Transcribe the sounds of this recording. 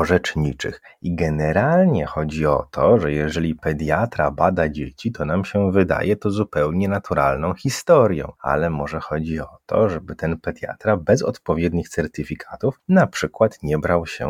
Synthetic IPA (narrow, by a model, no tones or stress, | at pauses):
ɔʐɛt͡ʂɲit͡ʂɘ̰xiɡɛnɛɾalɲɛxɔd͡ʑiɔ̰t̪ʰɔʐɛjɛʐɛlʲipɛd̪jat̪ɾabad̪ad͡ʑet͡ɕit̪ʰɔnamɕɛvɘd̪a̰jɛt̪ɔzupɛwɲɛnat̪uɾa̰lnɔ̃w̃xʲist̪ɔɾjɔ̰̃w̃a̰lɛmɔʐɛxɔd͡ʑiɔt̪ʰɔ̰ʐɛbɘt̪ɛnpɛd̪ʲja̰t̪ɾabɛzɔ̰t̪pɔvʲjɛd̪ɲixt̪sɛɾt̪ʲifʲikʰat̪ufnapʂɘkwat̪ɲɛbɾawɕɛ̰